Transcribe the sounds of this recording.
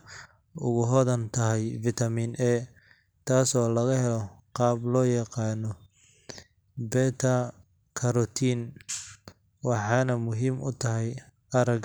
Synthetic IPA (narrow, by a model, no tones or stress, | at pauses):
ʊɣʊɦɔðɐnt̪ʰɐɦɛjfɪt̪ʰɐmiːnʔɛː | t̪ʰaːsɔːlɐɣɐhɛlɔqɑːblɔːjɐqɑːnɔ | bɛːt̪ʰɐ | kʰɐɾɔt̪ʰiːn | wɑħɑːnɐmʊɦiːmʔʊt̪ʰɐɦɛj | ɐɾɐɡ